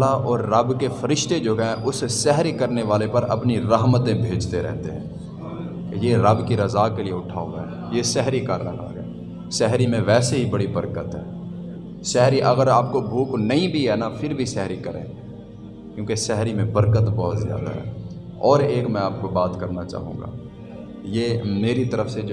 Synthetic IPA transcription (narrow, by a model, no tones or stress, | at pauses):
laʔɔːɾːɐbkefʰəɾɪʃt̪ed͡ʒoːɦɛ̃ʔʊssɛɦɾikəɾneʋaːlepɐɾɐ̰pniɾəɦmət̪ẽbʱeːd͡ʒt̪eɾɛ̰ɦt̪eɦɛ̃ː | jeɾɐbkiɾɐzaːkelieʊʈʰaːoːɡɦɛː | jesɛɦɾikaːɾnaka̰ːɡɛ | sɛɦɾimẽʋɛːseɦibəɽibəɾkət̪ɦɛː | sɛɦɾiʔɐɡəɾaːp̚kobʱuːknɐɦĩbʱiɦɛnafʰɪɾbʱisɛɦɾikɐɾḛ̃ː | kjõːkesɛɦɾimẽbɐɾkət̪bɔɦʊt̪zja̰ːd̪a̰ɦɛ̰ː | ɔːɾeːkmɛ̃aːpkobaːt̪kɐɾnat͡ʃa̰ːɦṵ̃ːŋɡa̰ː | jeːmeːɾit̪ɐɾəfsed͡ʒ